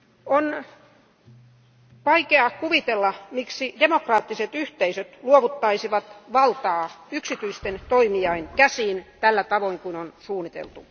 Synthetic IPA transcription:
on | ʋɑikeɑkuʋit̪elːɑmiksidemokrɑːt̪ːiset̪yht̪eisøt̪luoʋut̪ːɑisiʋɑt̪ʋɑlt̪ɑːyksit̪yist̪ent̪oimiɑinkæsiːnt̪ælːæt̪ɑʋoiŋkunonsuːnːit̪ḛlt̪u

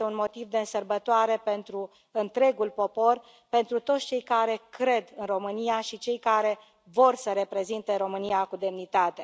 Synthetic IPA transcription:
eunmo̞t̪ivd̪e̞ɨnsərbət̪oaɾe̞pe̞nt̪ɾu | ɨnt̪ɾe̞ɡulpo̞po̞r | pe̞nt̪ɾut̪o̞t̪sʲt͡ʃe̞jkaɾe̞kɾe̞d̪ɨnro̞mɨnijaʃit͡ʃe̞jkaɾe̞ | vo̞rsəɾe̞pɾe̞zint̪eɾo̞mɨniakud̪e̞mnit̪at̪e̞

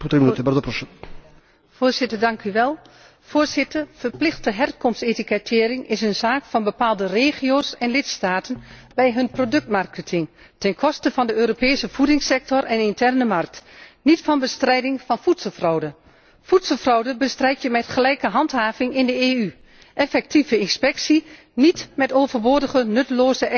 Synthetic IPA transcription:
put̪ɾimnt̪ɪbard̪əprosə | foːzɪtərdɑŋkʰyʋɛlˠ | fʊːrzɪtərfərplɪxtəɦɛrkɔmstsetikətʰɪːɾɪŋɪs̬ənzaːkfɑnbəpaːlˠdəreːχijoːsɛnlɪtstaːtənbɛjɦɵnprodɵk̚tmarkətʰɪŋ | tɛnkʰɔstəvɑndəøːɾopɛːsəv̥udɪŋsɛk̚tɔrʔɛnɪntʰɛrnəmark̚tnitfɑnbəstrɛjdɪŋfɑnfutsəlˠfrɔwdə | futsəlˠfrɔwdəbəstrɛjtjəmɛtχəlɛjkəɦɑntɦaːvɪŋɪndəeːy | ʔɛfɛk̚tivəɪnspɛksi | nitmɛtoːvərʋoːdəɣənɵtəloːzə

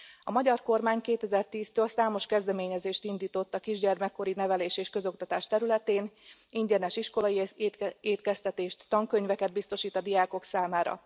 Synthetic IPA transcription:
ɒmɒɟɒrko̞rmaːɲkeːt̪ɛzɛrt̪iːst̪øːlsaːmo̞ʃkɛzd̪ɛmeːɲɛzeːʃt̪ind̪iːt̪o̞t̪ːɒkiʒɟɛrmɛkːo̞ɾinɛvɛleːʃeːʃkø̞zo̞kt̪ɒt̪aːʃt̪ɛɾylɛt̪eːniɲɟɛnɛʃiʃko̞lɒjieːt̪kɛst̪ɛt̪eːʃt̪ːɒŋkøɲvɛkɛd̪̚bist̪o̞ʃiːt̪ɒd̪ijaːko̞ksaːmaːɾɒ̰

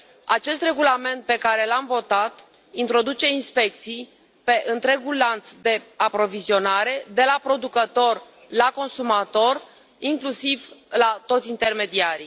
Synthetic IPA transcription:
a̰t͡ʃe̞st̪re̞ɡulame̞nt̪̚pe̞kaɾe̞lamvo̞t̪at̪ | int̪ɾo̞d̪ut͡ʃe̞inspe̞k̚t̪sij | pe̞ʔɨnt̪ɾe̞ɡulːant̪sd̪e̞apɾo̞vizio̞naɾe̞d̪e̞lapɾo̞d̪ukət̪o̞r | lako̞nsumat̪o̞r | iŋklusivlat̪o̞t̪sʲint̪e̞rme̞d̪iaɾi

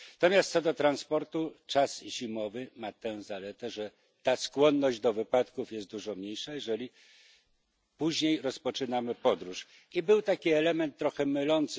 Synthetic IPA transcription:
nat̪ɔmʲjast̪sɔd̪ɔt̪ɾanspɔɾt̪ut͡ʂasʑimɔvɘmat̪ɛzalɛt̪ɛʐɛ | t̪askwɔnːɔʑd͡ʑd̪ɔvɘpat̪kufjɛst̪̚d̪uʐɔmɲejʂajɛʐɛlʲi | puʑɲejɾɔspɔt͡ʂɘnamɘpɔd̪ɾuʂ | ibɘwt̪akʲiɛlɛmɛnt̪ːɾɔxɛmɘlɔnt̪s

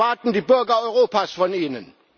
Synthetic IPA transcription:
ad̥n̩d̥ib̥øɐɡɐœʁo̝ːpʰæsfɔnenən

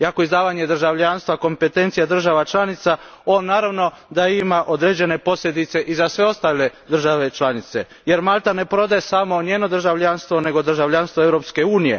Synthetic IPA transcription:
iako̞izd̪aːʋaɲe̞d̪r̩ʒaʋʎanst̪ʋako̞mpe̞t̪ent̪sijad̪r̩ʒaʋat͡ʃlˠanit̪sa | o̞ːnːaːɾaʋno̞ | d̪aimaʔod̪ɾe̞d͡ʑe̞ne̞po̞sʎʲe̞d̪it̪se̞ʔizasʋe̞o̞st̪aːle̞d̪r̩ʒaʋe̞t͡ʃlanit̪se̞ | je̞ɾmalt̪ane̞pɾo̞d̪ajesamo̞ɲeːno̞d̪r̩ʒaʋʎanst̪ʋo̞ne̞ɡo̞d̪r̩ʒaʋʎanst̪ʋoe̞vɾo̞pske̞uːnije̞̰

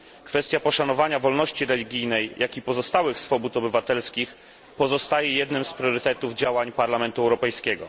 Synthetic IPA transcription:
kfɛst̪ʲjapɔʂanɔvaɲavɔlnɔɕt͡ɕiɾɛlʲiɡʲijnɛjjʔakʲipɔzɔst̪awɘxsfɔbut̪ɔbɘvat̪ɛlskʲix | pɔzɔst̪ajɛjɛd̪nɘmspɾʲjɔɾɘt̪ɛt̪uvd͡ʑawaɲpaɾlamɛnt̪uɛwɾɔpɛjskʲɛɡɔ̰

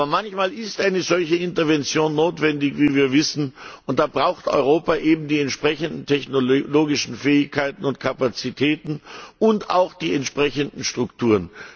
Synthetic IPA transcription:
bɐmançmaːlɪstʔaɪnəzɔlçəɪntɐvɛnt͡sjoːnːoːtv̥ɛndɪçviːviːɐvɪsn̩ʊnt̚d̥aːbʁaʊxtɔ̰ʏʁ̞oːpaːʔeːbm̩diːɛntʃpʁ̥ɛçəndn̩tʰɛçnoloːɡɪʃn̩fɛːɪçkʰaɪtn̩ʊnt̚kʰapat͡sitʰɛːtn̩ʊnta̰ʊxd̥iːɛntʃpʁ̥ɛçəndn̩ʃtʁ̥ʊktʰuːʁən

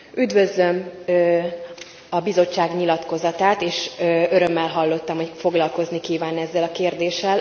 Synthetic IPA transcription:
yd̪vø̞zlø̞m | ɒbizo̞t͡ʃt͡ʃːaːɡɲilɒt̪ko̞zɒt̪aːt̪eːʃøɾø̞mːɛlɦɒlːo̞t̪ːɒmhocfo̞ɡlɒlko̞znikiːvaːnɛzːɛlɒkeːrd̪eːʃɛl

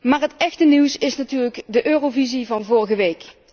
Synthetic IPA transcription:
maːɹɦətɛxtəniwsɪsnatyːɹrləkdəʔøːrovizivɑnvʊrɣəʋejk

